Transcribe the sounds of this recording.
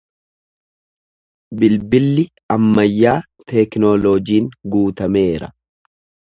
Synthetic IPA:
bɪlbɪlːɪ | ɐmːɐjːaː | t̪ʰɛknolɔːd͡ʒiːŋɡuːt̪ɐme̞ːɾɐ̰

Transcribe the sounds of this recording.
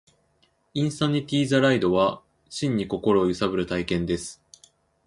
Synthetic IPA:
ĩɰ̃saɲ̟ːit̪ʲiːzaɾaid̪o̞βa | ɕĩɲ̟ːiko̞ko̞ɾo̞ːjɯ̟sabɯ̟ɾɯ̟t̪aikẽ̞nd̪e̞sɨ̥

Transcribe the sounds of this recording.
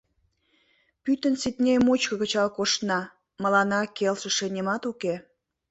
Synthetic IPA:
pyt̪ənsit̪nʲejmut͡ɕkə̆kə̆t͡ɕɑlkoʃnɑ | məlɑnɑkelʃə̆ʃĕnʲemɑt̪uke

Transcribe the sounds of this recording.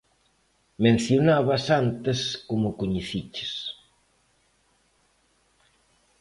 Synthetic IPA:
mẽn̟θjonaβɐsant̪ɪskomʊkoɲeθit͡ʃɪ̥s

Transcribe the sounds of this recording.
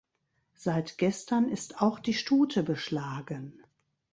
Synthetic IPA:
z̥aɪtɡ̥ɛstɐnɪstaʊxd̥iːʃtuːtʰəbəʃlaːɡən

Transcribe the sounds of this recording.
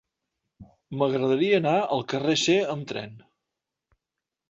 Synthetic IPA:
məɣɾəðəɾiəːnaəlˠkəreseəmt̪ɾɛ̰n

